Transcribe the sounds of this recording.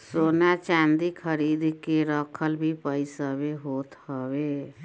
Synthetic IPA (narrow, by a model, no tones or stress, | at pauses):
sonat͡ʃand̪ikʰəɾid̪ʱkeɾəkʰəlbʱipəɪsəβeɦot̪həbe